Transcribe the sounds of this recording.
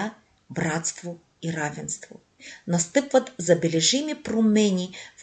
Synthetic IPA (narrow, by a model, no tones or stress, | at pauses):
a | bɾat̪st̪vo | iɾavʲɛnst̪vo̰ | nɐst̪ɨpvɐt̪zɐbʲɛlʲɛʒimʲipɾomɛnʲiv